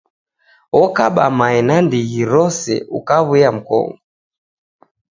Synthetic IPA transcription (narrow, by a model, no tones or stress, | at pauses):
wɔkaɓamaɛnandiɣiɾɔsɛ̰ṵkaβwiam̩kɔ̰ŋɡɔ